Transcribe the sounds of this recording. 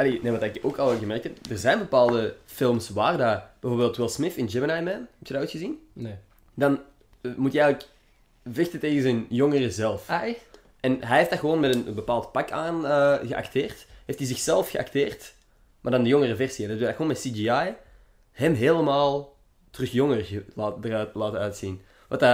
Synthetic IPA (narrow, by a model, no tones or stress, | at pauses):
ɑleneʋɑtdaɪkoːkɑlˠɣəmɛrk̚tɛpdərzɛjnbəpaːlˠdəfɪlˠmsʋaːrdab̥ɛvoːrbeːltwɪlˠsmɪfɪnd͡ʒɛmənajmɛnɦɛptjədaytxəzin | dɑn | mutjiɛɣələk | vɪxtəteːɣənzɛnjɔŋərəzɛlˠf | ʔɛnɦɛjɦeftdaɣəʋoːnmɛtənənbəpaːlˠtpɑkaːnəɣəʔa̰kteːrtɦeːftizɪxsɛlˠfxəʔa̰kteːrt | maːrdɑndəjɔŋərəvɛrsiɛndətdaxəwoːnmɛtsid͡ʒiaj | hɛmɦeːləmaːlˠ | trɵxjɔŋərɣəlaːtːtlaːtəœɥtsin | ʋɑta